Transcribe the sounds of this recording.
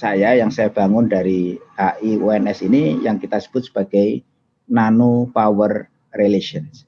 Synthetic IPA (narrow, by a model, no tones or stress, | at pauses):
sajajaŋsajab̥a̤ŋʊndaɾiaʔiuɛnɛsinijaŋkit̪asə̥b̥ʊt̪̚sə̥b̥aɡ̥ai | nanupawərː | eleʃiəns